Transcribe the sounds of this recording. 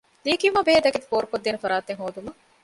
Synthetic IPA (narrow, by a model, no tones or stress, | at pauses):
liːkijumɐbeɦed̪ɐkit̪i̥foːɾukod̪ːeːnefɐɾaːt̪eŋɦoːd̪umɐ